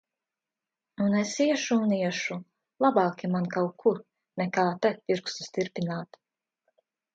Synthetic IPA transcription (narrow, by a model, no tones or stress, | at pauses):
unɛsiɛʃuːniɛʃu | lˠabɑːkʲimankawkʰːuɾ | nɛkaːt̪ɛpiɾkst̪i̥st̪iɾpinaːt̪